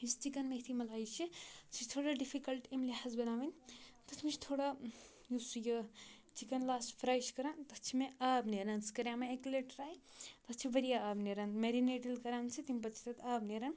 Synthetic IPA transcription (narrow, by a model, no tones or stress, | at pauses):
ist͡ʃikɐnmeɦt̪ʰimɐlaːit͡ʃʰit͡ʃʰit͡ʃt̪ʰoːɽaɖipʰikɐlʈemliɦazbɐnaːʋɐnʲt̪ɐt̪ʰmit͡ʃʰi̥t̪ʰoːɽa | jusujɐt͡ʃikɐnlaːsʈpʰɾaːjʃkɐɾant̪ɐt͡ʃʰimeaːbneɾanskɐɾjameekleʈɾaːj | t̪ɐt͡ʃʰibɐɾijaaːbneɾanmeɾineʈilkɐɾaːnt͡ʃʰit̪impɐt͡ʃʰi̥t̪ɐt̪aːbneɾan